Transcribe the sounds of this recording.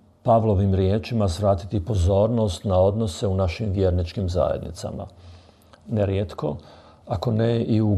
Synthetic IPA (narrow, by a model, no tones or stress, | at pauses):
paʋlˠo̞ʋimɾjeːt͡ʃimasʋɾaːt̪it̪ipo̞zo̞ːɾno̞st̪nao̞d̪no̞se̞unaʃimʋje̞ːɾnit͡ʃkimza̰jḛd̪nḭt̪sa̰ma̰ | neɾjet̪ko̞ | ako̞neiu